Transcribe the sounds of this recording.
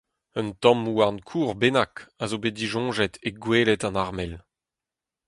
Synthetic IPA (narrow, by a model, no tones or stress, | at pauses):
ənt̪ɔ̃muankʰuːʁbenakazobediʒɔ̃ʒɛt̪eɡweːlɛtɑ̃naʁmɛl